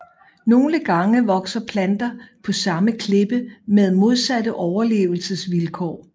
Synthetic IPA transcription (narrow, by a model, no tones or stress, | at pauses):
no̝ːləɡ̥ɑ̈ŋəʋɒ̽ɡ̥sɐpʰlænd̥ɐpʰɒ̽sɑ̈məkʰle̝b̥əmeð̞ˠmo̝ð̞ˠsædəʔɒʊɐle̝̰ːʊl̩səsʋilkʰɒ̰ː